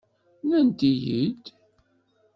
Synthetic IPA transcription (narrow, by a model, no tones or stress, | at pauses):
nænd̪ijḭd̪